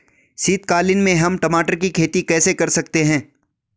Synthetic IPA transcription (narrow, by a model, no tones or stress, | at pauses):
siːt̪kaːlɪnmẽɦɐmʈɐmaːʈəɾkikʰeːt̪ikɛːsekɐɾsɐk̚t̪eɦɛ̃ː